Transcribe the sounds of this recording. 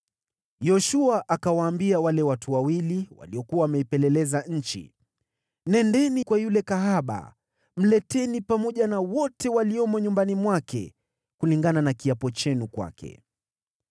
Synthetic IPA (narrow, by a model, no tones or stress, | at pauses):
jɔʃuaʔakawaːmbiawalɛwatuwawiliwa̰liɔkuawamɛipɛlɛlɛzaɲ̩t͡ʃḭ | nɛndɛnikwajulɛkaɦaɓa̰ | m̩lɛtɛnipamɔʄanawɔtɛwaliɔmɔɲumbanimwakɛ̰ | kuliŋɡananakiapɔt͡ʃɛnukwa̰kɛ̰